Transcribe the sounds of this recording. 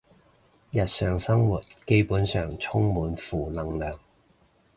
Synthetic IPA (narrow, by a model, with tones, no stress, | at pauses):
jɐ˨t̚sœː˨ŋsɐ˥ŋwuː˨˩t̚ke˥jpuː˨˥nsœː˨ŋt͡sʰʊ˥ŋmuː˨˧nfuː˨˩lɐ˨˩ŋlœː˨ŋ